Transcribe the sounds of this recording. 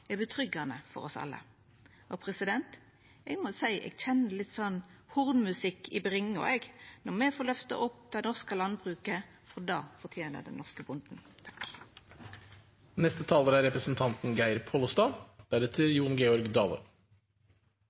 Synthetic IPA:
ɛbət̪ʰʁʏɡənəfɔ̰ʁɔsɑ̰lːə̰ | ʔɔpʰɾɛsɪd̪ɛnt̪ | ɛɡmɔsæɪʔɛ̰ːɡc͡çɛnːəlɪt̪ːsɔnːhʊʁnmʉsɪkːɪbʁɪŋɔ̰ɛɡnɔʁmɛfoːlœft̪ɑ̰ʔɔp̚ːd̪̥ɛɪnɔʁskəlɑnbʁʉːkə | fɔd̪ɑːfɔʁt̪ʰjeːnə̰d̪ɛ̰nnɔʁskəbʊnd̪n̩t̪ʰɑ̥k | nɛst̪ət̪ʰɑːləɾæɾɛpɾəsn̩t̪ʰɑnt̪n̩ɡæɪɾpʰoːlɔst̪ɑːd̪̥æɾɛt̪ʰɪljuːnɡeːɔɾɡd̪ɑːʋə̰ɾ

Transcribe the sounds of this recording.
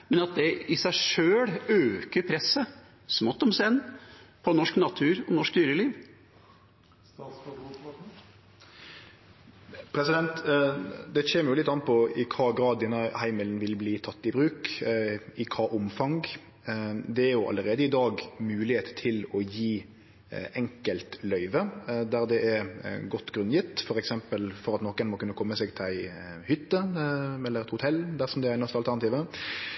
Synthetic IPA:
mɛnɑt̪̚d̪ɛɪsæɪʂøːɽøːkəɾpʰɾɛsːə | smɔt̪ːɔmsɛnːpʰɔnɔʂknɑt̪ʰʉːɾɔnɔʂk̚d̪yːɾəliːʋ | pʰɾɛsɪd̪ɛnt̪ | d̪ɛçeːməɾjʊlɪt̪ːɑnpʰɔɪkʰɑːɡɾɑːd̪ːɛnːɑhæɪməlnʋɪlbliːt̪ʰɑt̪ːɪbɾʉːk | ɪkʰɑːʔʊmfɑŋɡ | d̪ɛæɾjʊʔɑ̰lːəɾeːd̪əɪd̪ɑːɡmʉːlɪheːt̪t̪ʰɪlɔjiː | ɛŋkəlt̪lœʏʋəd̪æɾd̪ɛʔɛɾɡɔt̪ːɡɾʉnjɪt̪ːfɔɾɛksɛmpəlfɔɾɑt̪nɔkːənmɔkʉnːəkʰɔmːəseːɡt̪ʰɪlæɪhʏt̪ːəɛlːəɾɛt̪hʊt̪ʰɛld̪æʁsɔmd̪ɛæɾæɾnɛst̪əɑlæʁnɑt̪iːʋə

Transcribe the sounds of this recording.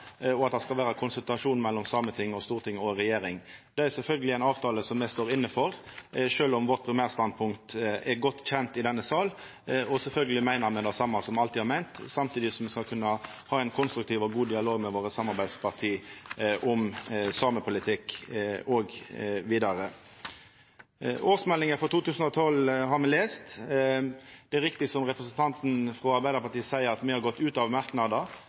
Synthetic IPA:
ɔɑt̪̚d̪ɛskɑlʋæːɾɑkʰʊnsʉlt̪ɾɑʂuːnmɛlːɔmsɑːmət̪ʰɪŋːɔst̪uːʁt̪ɪŋːɔɾɛjeːɾɪŋd̪ɛæɾsɛlfœlɡəlɪæɪnɑːʋt̪ʰɑːləsɔmːɛst̪oːɾɪnːəfɔɾʂøːlɔmʋɔt̪pʰɾɪmæːʁst̪ɑn̚pʰʊŋkt̪ɛɾɡɔt̪ːçɛnt̪ɪd̪ɛnːəsɑːl | ɔsɛlfœlɡəlɪmæɪnəɾmɛd̪ɑːsɑmːɑsɔmɑlt̪ɪhɑɾmæɪnt̪sɑmt̪ʰiːd̪ɪsɔmʋɛskɑlkʰʉnːɑ | hɑːæɪnkʰʊnst̪ɾʉk̚t̪ʰiːʋɔɡuːd̪ɪɑloːɡmɛʋoːɾəsɑmːɑɾbæɪd̪spʰɑʁt̪ʰiːʔʊmsɑːməpʰʊlɪt̪ʰɪkɔɡʋiːd̪ɑɾə | ʔoːʁsmɛlːɪŋəfɔt̪uːt̪ʉːsn̩ɔt̪ʰɔlɦɑɾmɛleːst̪ | d̪̥ɛæɾɪkt̪ɪsɔmʁɛpɾəsənt̪ʰɑnt̪n̩fɾɔɑɾbæɪd̪əpɑʈ̪iːəsæɪəɾɑt̪mɛhɑɾɡɔt̪ːʉːt̪ɑʋmɑʁknɑd̪ə

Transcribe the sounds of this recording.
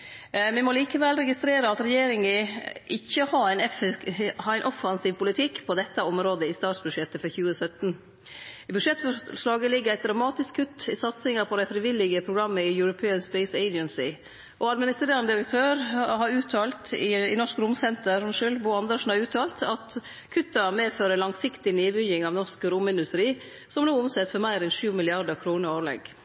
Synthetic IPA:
ʋɪmɔliːkəʋɛlɾɛɡɪst̪ɾeːɾəɑt̪ɾɛjeːɾɪŋəʔɪçːəhɑæɪn | hɑɾæɪnʔɔfɑnsiːʋpʊlɪt̪ʰɪkːpʰɔd̪ɛt̪ːəɔmɾoːd̪əɪst̪ɑːʈsbʉdʂjɛt̪ːəfɔɾçʉːəsœt̪n | bʉʂɛt̪ːfɔʂlɑːɡəlɪɡːəɾæɪd̪ɾɑmɑːt̪ɪskʰːʉt̪ːɪsɑt̪sɪŋɑpʰɔd̪æɪfɾɪʋɪlːɪɡəpʰɾʊɡɾɑmːəɪjʉɾʊpʰeːənspɛɪseɪd͡ʒənsɪ | ʔɔɑd̪mɪnɪst̪ɾeːɾɑnəd̪ɪɾək̚t̪ʰøːɾhɑɾʉːt̪ʰɑːlt̪ɪnɔʂkɾʊmsɛnt̪əɾmʂʉlbʊːɑnd̪əʂn̩hɑɾʉːt̪ʰɑːlt̪ʰɑt̪ | kʰʉt̪ːɑmeːføːɾəlɑŋsɪkt̪ɪneːbʏjɪŋɑʋnɔʂkəɾʊmɪnd̪ʉst̪ɾiː | sɔmnuːʊmsɛt̪fɔɾmæɪɾɛnʃʉːmɪlɪɑd̪əkʰɾuːnəɾoːɾlɛ̰ɡ

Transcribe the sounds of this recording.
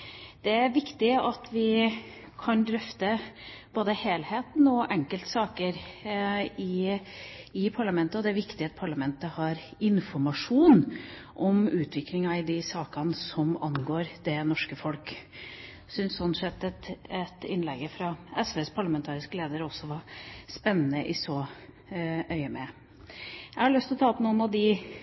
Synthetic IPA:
d̪̥ɛæɾʋɪkt̪ɪɑt̪ʋɪ | kʰɑnd̪ɾœft̪əb̥oːd̪əheːlheːt̪n̩ɔʔɛŋkəlt̪sɑːkəɾ | ɪ | ɪpʰɑɭɑmɛnt̪əɔd̪ɛæɾʋɪkt̪ɪɑt̪̚pʰɑɭɑmɛnt̪əhɑɾ | ɪnfɔɾmɑʂuːn | ʔɔmʉːt̪ʰʋɪklɪŋɑɪd̪ɪsɑːkɑnsɔmɑnɡoːɾd̪̥ɛnɔʂkəfɔlk | sʏnssɔnsɛt̪ːɛt̪ɛt̪ɪ̰nlɛɡəfɾɑɛsʋeːspʰɑɭɑmɛnt̪ʰɑːɾɪskəleːd̪əɾɔsːɔʋɑspɛnːənəʔɪsɔ | ʔœʏəmɛ | jæɪhɑɾɭœst̪ɪlɔt̪ʰɑːpʰɔnuːənɑʋd̪ɪ

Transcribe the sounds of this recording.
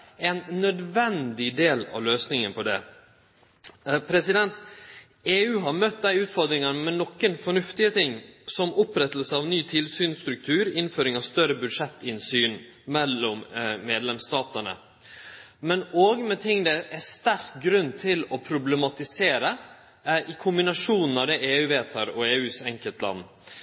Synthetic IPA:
ɛnnœd̪ʋɛnd̪ɪd̪eːlɑ̰ʋløːsnɪŋənpʰɔd̪ɛ̰ | pʰɾɛsɪd̪ɛnt̪ | eːʉːɦɑɾmœt̪̚d̪æɪʉːt̪fɔɾd̪ɾɪŋɑnəmɛnɔkːənfɔɳʉft̪ɪət̪ʰɪŋːsɔmʊpɾɛt̪əlsəɑʋnyːt̪ʰɪlsyːnst̪ɾʉk̚t̪ʰʉːɾɪnføːɾɪŋɑʋst̪œɾəbʉd̪ʂɛt̪ːɪnsyːn | mɛlːɔmmeːd̪lɛmst̪ɑːt̪əɳə̰ | mɛnoːɡmɛt̪ʰɪŋːd̪ɛʔæst̪æɾk̚ɡɾʉnːt̪ʰɪlɔpʰɾʊblɛmɑt̪ɪseːɾə | ʔɪkʰʊmbɪnɑʂuːnn̩ɑʋd̪ɛʔeːʉːʋeːt̪ʰɑɾɔeːʉːsɛŋkəlt̪lɑ̰nː

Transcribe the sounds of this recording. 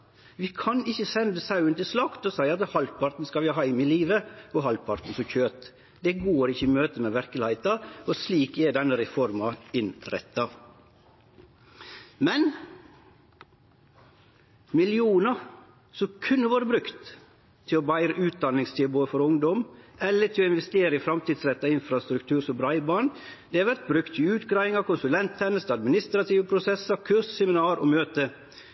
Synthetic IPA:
ʋɪkʰɑnɪçːəsɛnd̪əsɑʉənt̪ɪslɑkt̪ɔsæɪɑt̪hɑlpʰɑɾt̪n̩skɑʋɪɑɦɑɪmɪliːʋəɔɦɑlpʰɑɾt̪n̩sɔçøːt̪ | d̪ɛɡoːɾɪçəimøːt̪əmeʋæɾkəlɪæɪt̪ɑɔsliːkɛɖɛnːəɾɛfɔɾmɑɪnɾɛ̰t̪ʰːɑ | mɛn | mɪlɪuːnɑ | sɔkʰʉnːəʋoːɾəbɾʉkt̪ʰː | ɪɔbæɪɾəʔʉːt̪̚d̪ɑnːɪŋst̪ʰɪboːd̪əfɔɾʊŋd̪ɔmɛlːəʈʰɪlɔɪnʋɛst̪eːɾəɪfɾɑmt̪iːd̪sɾɛt̪ːɑɪnfɾɑst̪ɾʉk̚t̪ʰʉːɾsɔmbɾɑɪbɑːɳd̪ɛɑʋæɾt̪̚bɾʉkt̪ʰːɪʉːt̪ɡɾɑːʋɪŋɑkʰʊnsʉlɛnt̪ʰɛnəst̪ɑd̪mɪnɪst̪ɾɑt̪ʰiːʋəpʰɾʊsɛsɑkʰʉɾssɛmɪnɑːɾɔ̰møːt̪ə

